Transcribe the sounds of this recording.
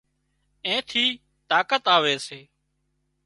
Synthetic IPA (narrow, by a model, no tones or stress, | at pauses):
ẽːt̪ʰiː | t̪aːkət̪aːʋeːseː